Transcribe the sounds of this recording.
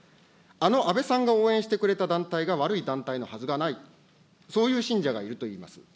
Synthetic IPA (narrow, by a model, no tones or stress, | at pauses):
ano̞ʔabe̞sãŋɡao̞ːẽɕi̥t̪e̞kɯ̟ɾe̞t̪ad̪ãnt̪aiɡaβaɾɯ̟id̪ãnt̪aino̞hazɨɡanai | so̞ːjɯ̟ːɕĩɲ̟d͡ʑaɡaiɾɯ̟t̪o̞iːma̰sɨ̥